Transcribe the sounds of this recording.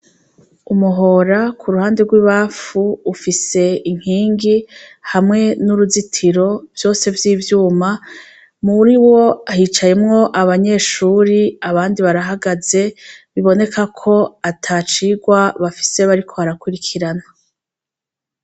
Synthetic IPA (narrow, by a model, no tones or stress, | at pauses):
umuɦo̞ɾakʰuɾuhaːnde̞ɡwiːβaːfuːfise̞iŋ̥hiːŋɡihamŋe̞nuɾuzitʰiɾo̞vjo̞ːse̞vjiːvjuːma | muɾiwo̞ahit͡ʃajemŋo̞ʔaβaɲe̞ːʃuːɾiaβaːndiβaɾaɦaɡaze̞βiβo̞ne̞kʰakʰo̞atʰat͡ʃiːɡwaβafi̥se̞βaɾikʰo̞βaɾakuɾikʰiɾana